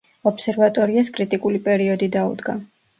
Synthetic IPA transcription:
ɔpʰsɛɾvat̪ʼɔɾiaskʼɾit̪ʼikʼulipʼɛɾiɔd̪id̪aṵd̪ɡa̰

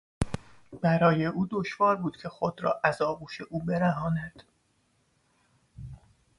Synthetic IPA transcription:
b̥æɾɒːje̞ʔuːd̪oʃvɒːɾbuːd̪̥cʰe̞xod̪ɾɒ̰ːʔæzɒːbuːʃe̞ʔuːbe̞ɾæɦɒːnæd̪̥

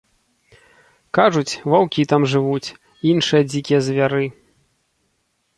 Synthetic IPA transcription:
kaʐut͡sʲvawkʲit̪amʐɨvut͡sʲ | inʂɨjɐd͡zʲikʲijɛzʲvʲaɾɨ

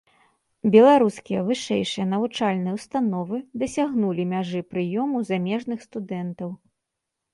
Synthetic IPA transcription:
bʲɛlˠaɾuskʲijɐvɨʂɛjʂɨjɐnɐvut͡ʂalʲnɨjɐwst̪anɔvɨd̪ɐsʲaɣnulʲimʲaʐɨpɾɨjɔmuzamʲɛʐnɨxst̪ud̪ɛnt̪ɐw

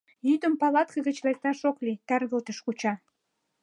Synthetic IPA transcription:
jyd̪əmpɑlɑt̪̚kə̆ɣə̆t͡ɕlek̚t̪ɑʃoklit̪ærɣəlt̪ə̆ʃkut͡ɕɑ

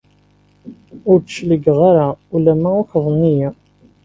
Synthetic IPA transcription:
ʊɾd̪ʃləɡʁaɾaulæmːæʊçðˤənːijæ

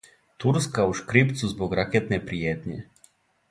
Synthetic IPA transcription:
t̪uɾskauʃkɾipt̪suzbɔkɾakeːt̪nɛpɾijeːt̪nʲḛ

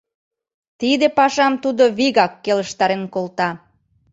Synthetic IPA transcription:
t̪id̪epɑʃɑmt̪ud̪oβiɣɑkːeləʃt̪ɑɾenkolt̪ɑ

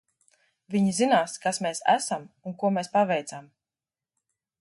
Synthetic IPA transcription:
vʲiɲizinaːskasmeːsæ̰samunkuɔmeːspavɛjt̪sam

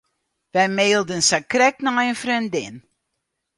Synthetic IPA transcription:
vɛjmeːlˠdənsakrɛknajənfrindɪn

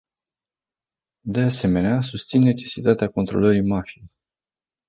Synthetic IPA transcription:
d̪e̞ase̞me̞neasust̪sinːe̞t͡ʃe̞sit̪at̪eako̞nt̪ɾo̞̰ləɾimaʃin

